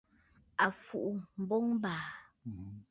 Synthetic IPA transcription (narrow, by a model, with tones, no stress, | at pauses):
a˨fu˨ʔu˨m̩˨bɔ˦ŋm˦baː˨